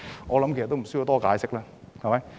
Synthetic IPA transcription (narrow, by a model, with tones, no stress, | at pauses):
ʔɔː˨˧lɐ˨˥mkst̪ːsːji˧wt̪ɔː˥kaː˨˧jsɪ˥k̚laː˧ | hɐ˨˩mɐ˨˦j